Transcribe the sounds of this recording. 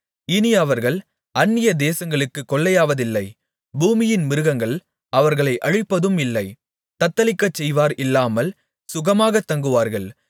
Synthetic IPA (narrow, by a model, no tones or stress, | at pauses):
ɪniɐʋɐɾɣɐɭ | ɐnːɪjɐd̪eːsɐŋɡɐɭɯkːɯkːɔɭːɐjaːʋɐðɪlːɐɪ | buːmɪjɪnmɪɾɯɣɐŋɡɐɭ | ɐʋɐɾɣɐɭɐɪʔɐɻɪpːɐðɯmɪlːɐɪ | t̪ɐt̪ːɐlɪkːɐt͡ʃːɛjʋaːɾɪlːaːmɐl | sʊɣɐmaːɣɐt̪ːɐŋɡɯʋaːɾɣɐɭ